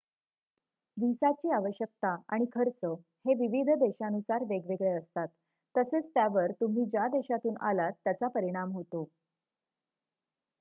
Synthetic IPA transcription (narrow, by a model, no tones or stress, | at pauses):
ʋisat͡ɕiːaʋəɕjək̚t̪aa̰ɽ̃ikʰəɾt͡sə | heʋiʋid̪ʱd̪eɕanusaɾʋeɡʋeɡɭeəst̪at̪ː | əset͡st̪jaʋəɾt̪um̤iːd͡ʑjad̪eɕat̪uːnʔa̰lat̪ːjat͡sapəɾiɽ̃amɦot̪o